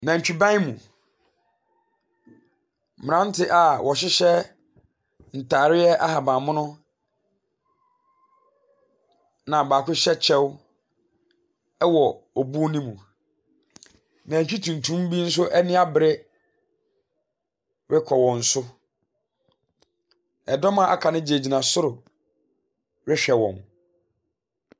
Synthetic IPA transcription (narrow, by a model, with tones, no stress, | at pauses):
nã˨ɲ̩˨t͡ɕᶣu˨bã˦mṵ̃˨ | m˨ã˦n˦tʰɪ˦ʔa˨wʔɔ˨ɕɪ˦ɕɛ˦ | n̩˨tʰaː˨ɾɪ˦ɛ˦ʔa˦ha˨bãː˨mʊ̃˦nʊ̃˦ | nã˨baː˨kʰʊ˦ɕɛ˦t͡ɕʰɛ˦w | ɛ˦wɔ˨ɔ˨bu˦nĩ˦mũ˨ | nã˨t͡ɕᶣi˦tʰũ˨ntʰũ˦mbi˦n̩˦s̬ʊ˦ʔɛ˦nɪ̃˦a˦bɪ˨ɾɪ˦ | ɾɪ˦kʰɔ˨wɔ̃˨n̩˨˦sʊ˦ | ɛ˨dɔ˦mã˨ʔa̰˨kʰa˨nɪ̃˦d͡ʑe˨d͡ʑi˨nã˨sʊ˦ɾʊ˨ | ɾɪ˦ɕᶣɛ˨wɔ̰̃˨m